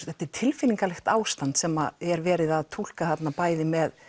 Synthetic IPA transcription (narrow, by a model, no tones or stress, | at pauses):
θɛht̪ːɪɾ̥t̪ʰɪlfɪniŋkalɛxt̪aːwst̪ant̪sɛma̰ɛɾvɛːɾɪðaðt̪ʰul̥kaθat̪napaːjðɪmɛð